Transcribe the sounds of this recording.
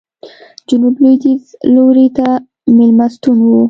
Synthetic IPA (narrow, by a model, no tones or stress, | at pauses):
d͡ʒʊnublid̪izloɾit̪a | mɪlmast̪unwu